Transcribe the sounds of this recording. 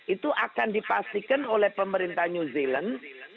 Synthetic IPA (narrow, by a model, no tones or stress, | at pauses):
ʔit̪uʔakandipast̪ikanolɛhpəməɾint̪ahɲuzilən